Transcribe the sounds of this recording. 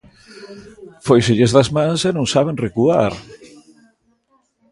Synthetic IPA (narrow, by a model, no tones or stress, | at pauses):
fojseʎezðazmãnsɛnõŋsaβenrekua̰ɾ